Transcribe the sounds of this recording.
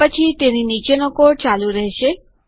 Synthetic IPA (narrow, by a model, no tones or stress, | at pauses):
ət͡ʃʰit̪eninit͡ʃenokoɽt͡ʃaluɾɛɦʃe